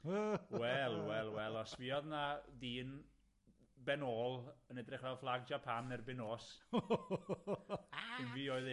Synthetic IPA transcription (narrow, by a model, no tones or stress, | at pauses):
wɛlˠwɛlˠwɛlˠɔsvɪɔðnadiːn | bɛnoːlˠənɛdrɪχvɛlˠflˠaɡ̚d͡ʒapʰanɛrbɪnoːs | ɪnviːoːɨð